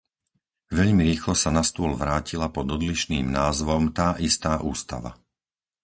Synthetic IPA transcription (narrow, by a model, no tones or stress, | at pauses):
ʋɛʎmiɾiːxlɔsanast̪ʊɔlʋɾaːcilapɔd̪ɔd̪liʃniːmnaːzʋɔmt̪aːʔist̪aːʔuːst̪a̰ʋa̰